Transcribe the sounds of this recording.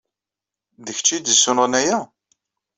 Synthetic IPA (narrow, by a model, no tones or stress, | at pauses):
ðəçt͡ʃːid̪əsʊnʁnæjæ